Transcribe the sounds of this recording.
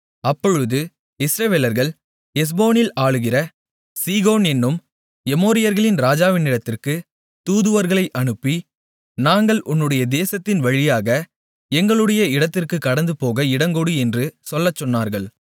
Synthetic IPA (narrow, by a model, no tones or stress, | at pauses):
ɐpːɔɻɯðɯ | ɪsɾɐʋeːlɐɾɣɐɭ | ɛs̬boːnɪlaːɻɯɣɪrɐ | siːɣoːnɛnːɯm | ɛmoːɾɪjɐɾɣɐɭɪnɾaːd͡ʒaːʋɪnɪɽɐt̪ːɪrkɯ | t̪uːðɯʋɐɾɣɐɭɐɪʔɐɳɯpːi | naːŋɡɐɭʔʊnːɯɽɐjɐd̪eːsɐt̪ːɪnʋɐɻɪjaːɣɐ | ɛŋɡɐɭɯɽɐjɐɪɽɐt̪ːɪrkɯkːɐɽɐnd̪ɯpoːɣɐɪɽɐŋɡɔɽɯɛndrɯsɔlːɐt͡ʃːɔnːaːɾɣɐɭ